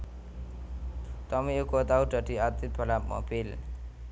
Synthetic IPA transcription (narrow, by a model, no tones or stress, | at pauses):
t̪ʌmiekot̪awʈʌʈiat̪it̪̚pʰʌlamʌ̰pʰel